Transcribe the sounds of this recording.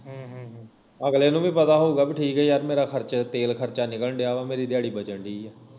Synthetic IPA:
ɦ | əɡleːnũːbĩːpət̪aːɦouːɡaːbiːʈʰiːkɦɛːjəɾmeːɾaːkʰəɾt͡ʃt̪eːlkʰəɾt͡ʃaːnɪkəlɖejaːʋaːmeːɾiːd̪ɪjaːɽiːbət͡ʃəɳɖiː

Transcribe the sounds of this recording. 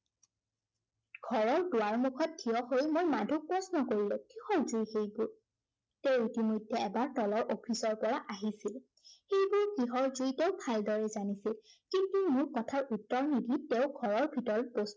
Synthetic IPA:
ɡ̥ʱɔɹɔɹdʊwaɹmukʰɔt̚dʰiɔxojmojmadʱuk̚pɹɔsnɔkoɹilɔ̃kɹihɔɹzujxejbʊɹ | teʊitimojdʱːɛɛbaɹtɔlɔɹʔopʰisɔɹpɔɹaʔaɦisil | xejbʊɹkiɦɔɹzujteʊbʱaldɔɹɛzanisilkitimuɹkɔtʰaɹutːɔɹnidʱitɛʊɡʱɔɹɔɹbʱitɔɹɔpos

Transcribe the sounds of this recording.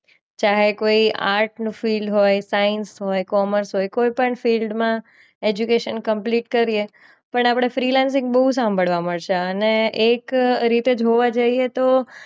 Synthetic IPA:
t͡ʃaɦekoia̰ɾʈnũfilɖɦojsainsɦojkɔməɾsɦojkoipəɳfilɖmã | ed͡ʒukeʃənkəmpliʈkəɾije | pəɳapɽ̃efɾilans̬ɪ̃ŋɡbəɦus̬ãmbʱəɭʋaməɭʃeəneʔekɾit̪ed͡ʒɦoʋad͡ʒəiet̪o

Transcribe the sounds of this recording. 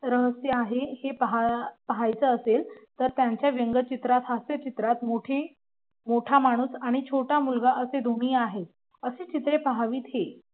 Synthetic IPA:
ɾəɦəsjəaɦehepəɦapəɦajt͡səːselt̪əɾt̪jaɲt͡ɕjaʋjəŋɡət͡ɕit̪ɾat̪ɦast̪jət͡ɕit̪ɾat̪moʈʰe | moʈʰamaɽ̃uːsaɽ̃it͡ɕʰoʈamulɡaʔəsed̪ʱoɽ̃iːaɦe | əset͡ɕit̪ɾepəɦaʋiːt̪ɦe

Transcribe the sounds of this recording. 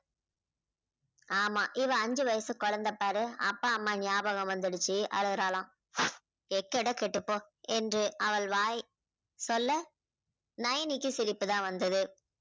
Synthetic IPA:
aːmaːʔɪʋɐɐɲd͡ʒɯʋɐjɐsɯ̃kɔɻɐnd̪ɐpːaːɾɯɐ̰pːaːɐmːaːnɪjaːbɐɣɐmʋɐnd̪ɪɽɯt͡ʃːɯʔɐ̰ɻɯɣɯɾaːlãː | ɛkːɐɽɐkɛʈːɯpːoː | ɛndrɯʔɐʋɐɭʋaːj | sɔlːɐ | nɐjɐnikːɯsɪlɪpːɯt̪ãːʋɐnd̪ɐðɯ

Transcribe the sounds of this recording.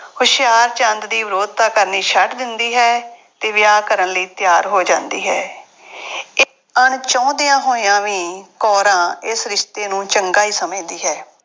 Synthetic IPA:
hʊʃɪjaːɾt͡ʃə̃nd̪d̪iːʋɪɾoːd̪̚t̪aːkəɾniːʃʰəʈd̪ɪnd̪iːɦɛːt̪eːʋɪjaːkəɾənləiːt̪jaːɾɦoːd͡ʒãːnd̪ḭːɦɛː | ɪ | əɳt͡ʃɔ̃ːd̪ɪjãːɦoːɪjãːʋiːkɔːɾãːɪsɾɪʃt̪eːnũːt͡ʃəŋɡaːɦiːsəmẽːd̪iːɦɛː

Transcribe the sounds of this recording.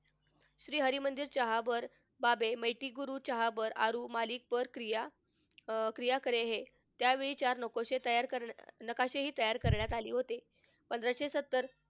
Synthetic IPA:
ɕɾiːɦəɾiːmənd̪iːɾt͡ɕəɦabəɾ | babeməjʈiɡuɾuːt͡ɕəɦabəɾaɾuːmalik̚pəɾkɾija | kɾijakəɾeɦe | t̪jaʋeɭiːt͡ɕaɾnəkoɕet̪əjaɾkənəkaɕeɦiːt̪əjaɾkəɾɳjat̪alḭːɦot̪e | pənd̪ɾaɕesət̪ːəɾ

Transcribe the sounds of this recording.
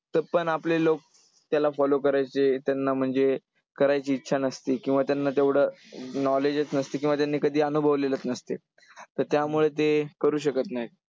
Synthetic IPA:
t̪əɾpəɳaplelok̚ | t̪jalafɔlokəɾajt͡set̪janːam̤əɳd͡ze | kəɾajt͡ɕiːtːɕʰanəst̪ikĩʋat̪janːat̪eʋɽ̤ənɔled͡zət͡snəst̪ek̬ĩw̃ʋat̪janːiːkəd̪ʱiːənubʱəʋlelət̪nəst̪e | t̪əɾt̪jamuɭet̪̬ekəɾuːɕəkət̪naɦi

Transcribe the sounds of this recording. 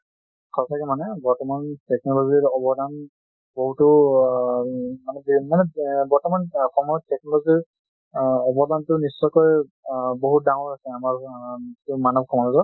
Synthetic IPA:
kʰɔsʰakɛmanɛbɔɹtɔmantɛk̚nɔlɔziɹɔbɔdan | boɦutʊ | manɛbimanɛbɔɹtɔmankʰɔmaɔtɛk̚nɔlɔziɹ | ɔbɔdantʊnisːɔjkɔj | boɦut̚daŋɔɹasɛamaɹtʊmanɔp̚kʰɔmalɔtɔ

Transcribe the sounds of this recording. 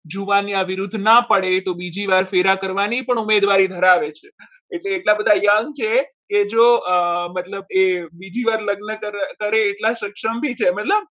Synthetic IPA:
d͡ʒuʋaniəʋiɾud̪ʱːnapəɽet̪obid͡ʒiʋaɾfeɾakəɾʋanipəɳumed̪ʋaɾid̪ʱəɾaʋet͡ʃʰeː | ʈleːʈlabəd̪ʱajəŋɡt͡ʃʰeked͡ʒomət̪ləbebid͡ʒiʋaɾləɡnəkəɾkəɾeːʈlaʃəkʃəmbʱit͡ʃʰemət̪ləb̚

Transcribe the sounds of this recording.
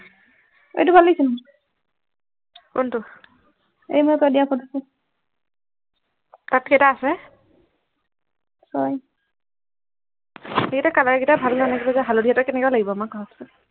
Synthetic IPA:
ḛjtʊbʱalesinm | kʊntʊ | ḛjmojtɔadijapʰɔdisi | tatkejtaːsɛ | sɔj | eɡitakalaɹɡitabʱalanaɡibazabʱalodʱijatɔkɛnɛkɛalaɡibɔmakaɦɔtsɔ

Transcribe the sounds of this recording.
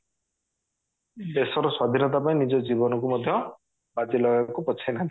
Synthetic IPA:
d̪esɔɾɔswad̪ʱinɔt̪̬apaĩnid͡ʒɔd͡ʒibɔnɔk̬umɔd̪ʱjɔ | bad͡ʒilɔɡakupɔt͡ʃʰenani

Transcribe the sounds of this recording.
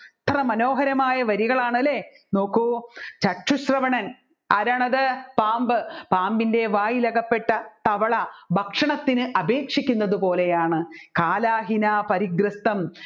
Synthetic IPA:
t̪ʰːɐrɐmɐno̞ːɦɐɾɐmaːjɐʋɐɾiɣɐɭaːɳɐle | no̞ːkːut͡ɕɐʈːuɕrɐʋɐɳɐn | ɐɾɐɳɐðɐpaːmbɨpaːmbinde̞ʋaːjilɐɣɐpːe̞ʈːɐt̪ɐʋɐɭɐbʱɐkʂɐɳɐt̪ːinɨʔɐbeːkʂikʲːunːɐðupo̞ːlejaːɳɨkaːlaːɦinaːpɐɾiɡɾɐst̪ɐm

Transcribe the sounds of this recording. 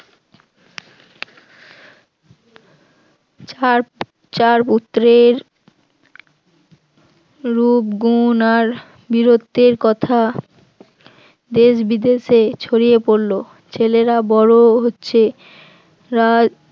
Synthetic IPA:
t͡ɕaɾput̪ːɾeɾ | upɡunaɾ | biɾot̪ːeɾkɔt̪ʰa | d̪eʃbid̪eʃet͡ɕʰoɾiepoɾlo | t͡ɕʰeleɾabɔɾoɦotːɕʰe | ɾa

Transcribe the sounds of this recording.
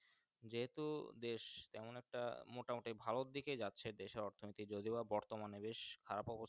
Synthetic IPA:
d͡ʑeɦet̪ud̪eʃt̪ɛmonɛk̚ʈa̰moʈamoʈibʱaloɾd̪iked͡ʑatːɕʰeɾd̪eʃeɾɔɾt̪ʰonit̪id͡ʑod̪ibabɔɾt̪omanebeʃkʰaɾapɔbo

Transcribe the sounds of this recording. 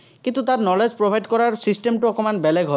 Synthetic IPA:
kĩnt̪ut̪atnɔled͡ʒpɹobʱajdkɔɹaɹsisʈemʈuɔkɔmanbɛlɛɡʱɦɔ

